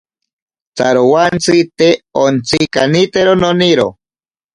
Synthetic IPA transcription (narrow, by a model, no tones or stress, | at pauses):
t͡saɾowant͡sit̪eont͡sikanit̪eɾononiɾo̰